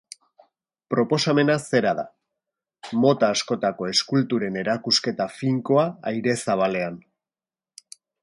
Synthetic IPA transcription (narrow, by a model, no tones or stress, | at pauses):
pɾo̞po̞same̞nase̞ɾað̞a̰ | mo̞t̪aːsko̞t̪ako̞e̞skult̪uɾe̞ne̞ɾakuske̞t̪afiŋko̞aajɾe̞saβ̞ale̞an